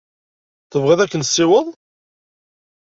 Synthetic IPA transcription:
θəvʁiðˤækːənsːɪwəðˤ

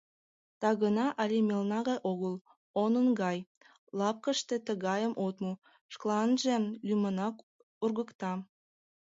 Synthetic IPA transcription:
t̪ɑɣənɑʔɑlʲemʲelnɑɣɑjʔoɣəl | onənɡɑj | lɑp̚kəʃt̪et̪əɣɑjəmʔot̪mu | ʃklˠɑnʒelʲymənɑk | urɣəkt̪ɑ

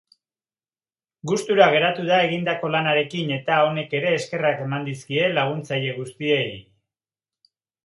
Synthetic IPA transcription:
ɡust̪uɾaɣ̞e̞ɾat̪uð̞ae̞ɣ̞ind̪ako̞lanaɾe̞kine̞t̪ao̞ne̞ke̞ɾe̞ːske̞rake̞mand̪iskie̞laɣ̞unt͡saje̞ɣ̞ust̪iei

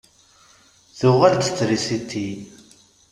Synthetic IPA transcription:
θʊʁæld̪ət͡sːɾisit̪ʰːi

